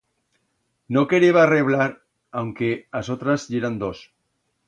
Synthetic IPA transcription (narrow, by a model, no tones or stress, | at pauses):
nokeɾeβareβ̞laɾ | awŋkeasot̪ɾazʎeɾand̪os